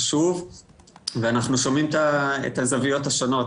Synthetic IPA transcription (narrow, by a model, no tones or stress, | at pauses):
ʃuv | veanaχnuʃo̞mimt̪aḛt̪azavijo̞thaʃono̞t